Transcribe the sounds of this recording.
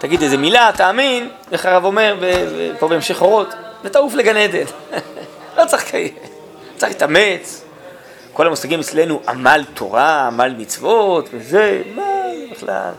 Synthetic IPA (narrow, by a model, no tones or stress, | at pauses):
taɡid̪ezemilat̪aːmin | eχaʁavo̞me̞ʁbeḛpo̞beemʃeχo̞ʁo̞t̪let̪aufleɡane̞d̪e̞n | lo̞t͡saχkʰaje | t͡saχit̪ame̞t͡s | ko̞lamusaɡimet͡sle̞nuʔa̰malt̪ʰo̰ʁaːmalmit͡svo̞t̪vezemebeχla̰l